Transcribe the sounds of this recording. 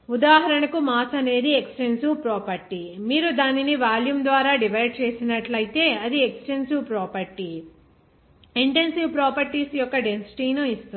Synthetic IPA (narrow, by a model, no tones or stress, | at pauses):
ud̪aːɦɐɾɐɳɐkumaːsɐneːɾieksʈe̞nsupɾɔːpɐɾʈimiːɾud̪aːniniʋaːljumd̪ʋaːɾaːɖiʋɐjɖ̚t͡ʃe̞ːsinɐʈlɐjit̪e̞ːɐd̪ieksʈensuwpɾɔːpɐɾʈi | eɳʈe̞nsiʋpɾɔːpɐɾʈisjɔkːɐɖensi̥ʈiːnoist̪u